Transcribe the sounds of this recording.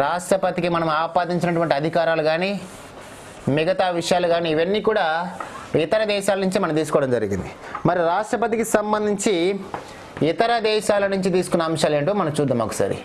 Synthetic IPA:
ɾaːʂʈɾɐpɐt̪ikimɐnɐmuaːpaːd̪iɲt͡ʃinɐʈuʋɐɳʈiɐd̪ʱikaːɾaːluɡaːni | miɡɐt̪aːʋiʂɐjaːluɡaːniːʋɐnːiːkuːɽaːit̪ɐɾɐd̪ɛːʃaːlɐnuɲt͡ʃimɐnɐmt̪iːsu̥kɔːɽɐmd͡ʒɐɾiɡḭnd̪i | mɐɾiɾaːʂʈɾɐpɐt̪ikisɐmbɐnd̪ʱiɲt͡ʃi | it̪ɐɾɐd̪ɛːʃaːlɐnuɲt͡ʃit̪̬iːsu̥kunːɐːmʂaːleɳʈuːmɐnɐmt͡ʃuːd̪ːɐmɐ̰kɐsa̰ːɾḭ

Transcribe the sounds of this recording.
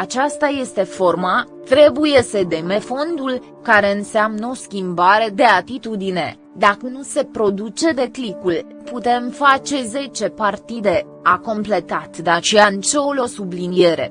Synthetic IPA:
at͡ʃast̪aje̞st̪e̞fo̞rma | t̪ɾe̞buje̞səd̪e̞me̞fo̞nd̪ul | kaɾe̞ɨnseamnəo̞skʲimbaɾe̞d̪e̞at̪it̪ud̪ine̞ | d̪akənuse̞pɾo̞d̪ut͡ʃe̞d̪e̞klikul | put̪e̞mfat͡ʃe̞ze̞t͡ʃe̞part̪id̪e̞ | ako̞mple̞t̪at̪d̪at͡ʃeant͡ʃeolo̞sublinieɾe̞̰

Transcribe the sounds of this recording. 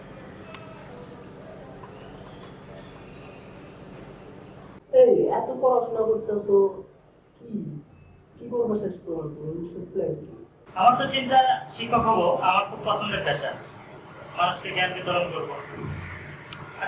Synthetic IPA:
ejɛt̪okɔɾat͡ɕonakoɾt̪easo | ki | kikoɾbaʃest̪oɦoɾt̪omiʃuplejʈi | amaɾt̪ot͡ɕint̪aʃikʰːɔɦɔboamaɾkʰub̚pɔsʰond̪eɾbɛʃa | manuʃkeɡɛlked̪ʱɔɾonkoɾbo

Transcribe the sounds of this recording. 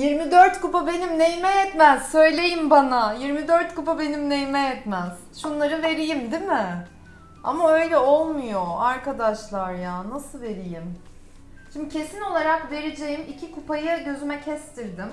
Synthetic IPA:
jiɾmid̪øɾt̪kupabe̞nimnejmɛjɛt̪mæz̥sø̞jlʲe̞jimbanajiɾmid̪øɾt̪kupabe̞nimnejmɛjɛt̪mæz̥ʃunlˠaɾɯve̞ɾijimd̪imɪ | a̰maø̞jlʲɛo̞lˠmujoaɾkad̪aʃlˠaɾjaːnasɯlˠve̞ɾijim | ʃimd̪icʰe̞sino̞lˠaɾakve̞ɾed͡ʒe̞jimicʰikupajɯɟø̞zymɛcʰɛst̪ʰiɾd̪ɪm

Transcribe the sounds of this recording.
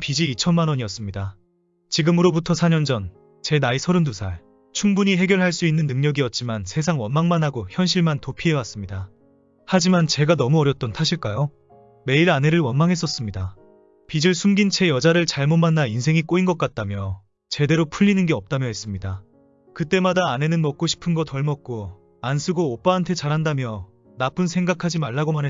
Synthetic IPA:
pid͡ʑiːt͡ɕʰʌnmanwʌɲiʌs͈ɯmɲida | t͡ɕiɡɯmɯɾobutʰʌsʰaɲʌnd͡ʑʌn | t͡ɕe̞naisʰʌɾɯndusʰaɭ | t͡ɕʰuŋbuɲiɦe̞ɡjʌɭɦaɭs͈uinːɯnːɯŋɲʌɡiʌt̚t͡ɕ͈imansʰe̞sʰaŋwʌnmaŋmanɦaɡoçjʌnɕʰiɭmantopʰiɦe̞was͈ɯmɲida | had͡ʑimant͡ɕe̞ɡanʌmuʌɾjʌt̚t͈ʌntʰaɕʰiɭk͈ajo | me̞iɾane̞ɾɯɭwʌnmaŋɦe̞s͈ʌs͈ɯmɲida | pid͡ʑɯɭsʰumɡint͡ɕʰe̞jʌd͡ʑaɾɯɭt͡ɕaɭmomanːainsʰe̞ŋik͈oinɡʌk͈at̚t͈amjʌ | t͡ɕe̞de̞ɾopʰuʎːinɯnɡe̞ʌp̚t͈amjʌɦe̞s͈ɯmɲida | kɯt͈e̞madaːne̞nɯnmʌk̚k͈oɕʰi̥pʰɯnɡʌtʌɭmʌk̚k͈o | ansʰuɡoːp͈aɦantʰe̞t͡ɕaɾɦandamjʌ | nap͈ɯnsʰe̞ŋɡakʰad͡ʑimaɭːaɡomanɦe

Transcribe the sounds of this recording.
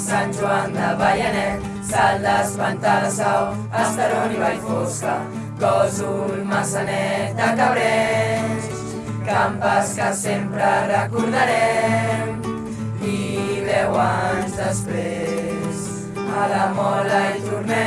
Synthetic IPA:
sanʒuand̪aβajanɛ | sald̪azβant̪asaw | ast̪aɾoniβajfoska | kozulmasanɛt̪akaβɾɛ | s | kampaskasempɾarəkuɾðaɾem | iβewaɲzðəspɾe | s | alamɔlajt̪uɾne

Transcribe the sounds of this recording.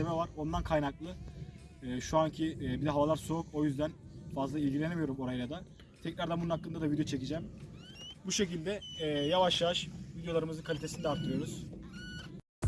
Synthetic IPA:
emɛvaɾo̞nd̪ankʰajnak̚lˠɯː | ʃuancʰiːbid̪ɛɦavalˠaɾsoukʰo̞jyzd̪ænfazlˠailʲɟilʲeemijo̞ɾumo̞ɾajlad̪a | t̪ʰɛcɾæɾd̪ɛæmbununhakːɯnd̪ad̪avid̪ejot͡ʃʰe̞cid͡ʒɛːm | buʃe̞cilʲd̪ɛjavaʃjavaʃvid̪jo̞lˠaɾɯmɯzɯnkʰalʲit̪esinid̪ɛaɾt̪ʰːɯɾɯjo̞ɾuz̥

